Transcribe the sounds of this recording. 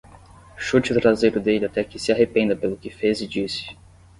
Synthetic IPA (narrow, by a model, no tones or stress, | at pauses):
ʃut͡ʃɪʊt̪ɾazejɾʊd̪elɪat̪ɛkɪsɪaɦepẽnd̪ɐpelʊkɪfezɪd͡ʒisɪ̥